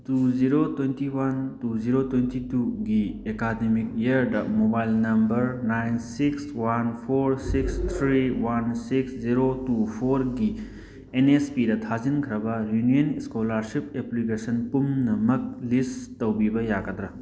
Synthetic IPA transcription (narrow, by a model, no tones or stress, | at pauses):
tuziɾotwejntiwantuziɾotwentituɡiekademik̚jaɾdɐmobajlnɐmbɐɾnajnsikswanpʰoɾsikst̪ʰɾiwansiksziɾotupʰoɾɡi | enespidɐtʰazinkʰɾɐbɐɾjunijɐniskolaɾsipeplikesɐnpumnɐmɐk̚listtɐwbibɐjaɡɐd̪ɾɐ